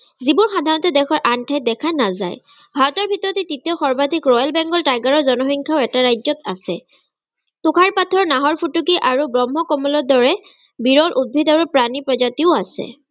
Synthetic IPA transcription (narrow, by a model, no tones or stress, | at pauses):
zibɔɹxad̪ʱaɹnɔtɛdɛkʰɔɹʔantʰaj̚dɛkʰanaza̰j | bʱaɹɔtɔɹbʱitɔɹɔtetːitiɔxɔɹbad̪ʱikɹɔjalbɛŋɡɔltajɡaɹɔɹzɔnɔxiŋkʰaʊɛtaɹajzɔtasɛ | tʊkʰaɹpatʰɔɹnaɦɔɹpʰutukiʔaɹubɹɔmɦɔkɔmɔlɔdɔɹɛ | biɹɔlʔud̚bʱidaɹupɹanipɹɔzatiʊasɛ̰